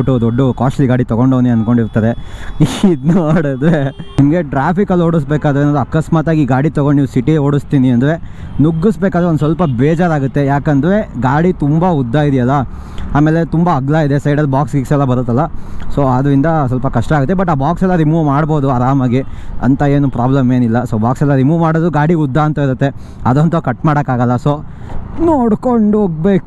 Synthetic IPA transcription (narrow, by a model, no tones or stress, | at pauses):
ʈːud̪ɔɖːukaːsʈɐliɡaːɽit̪ɐɡo̞ɳɖoːniɐnko̞ɳɖiɾt̪ɐd̪e̞id̪noːɽɐd̪ɾenimɐɡe̞ʈɾaːpʰikɐlːoːɽus̬beːkaːd̪ɐɾeːnoːd̪uɐkɐsmaːt̪aːɡiːɡaːɽit̪ɐɡoɳɖniːʋusiʈioːɽust̪iːniɐnd̪ɐɾe̞ | nuɡːusbeːkaːd̪ɾend̪usʋɐlpɐbɛːd͡ʒaːɾaːɡut̪ːejaːkɐnd̪ɐɾe̞ɡaːɽit̪umbɐud̪ːaid̪ɛjɐlːɐ | aːmeːle̞t̪umbɐːɡlaid̪esɐjɖɐlːbaːkskiksɛlːɐbɐɾut̪ːɐlːɐsoːɐd̪ɾind̪ɐsʋɐlpɐkɐʂʈɐaːɡut̪ːebɐʈːaːbaːksɛlːɐɾimuːʋmaːɽbo̞ːd̪uɐɾaːmɐɡiɐ̰nt̪ɐeːnupɾaːblɐmeːnilːɐsoːbaːksɛlːɐɾimuːʋmaːɽoːd̪uɡaːɽiud̪ːaɐnt̪ɐiɾut̪ːe̞ | ɐd̪ont̪ɐkɐʈmaːɽɐkaːɡɐlːɐso̞ːnoːɽkoɳɖuoːɡ̚beːk